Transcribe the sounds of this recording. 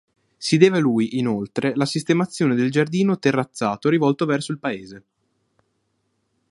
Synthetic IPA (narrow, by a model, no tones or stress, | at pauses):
sid̪ɛːvelujʔinolt̪ɾʔelasist̪emat̪sːjoːned̪eld͡ʒard̪iːnot̪erːat̪sːaːt̪oɾivɔlt̪ovɛrsoilpaeːze